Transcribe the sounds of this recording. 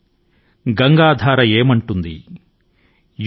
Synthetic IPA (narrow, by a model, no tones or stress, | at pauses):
ɡɐŋɡaːd̪ʱaːɾɐjeːmɐɳʈund̪ḭ | j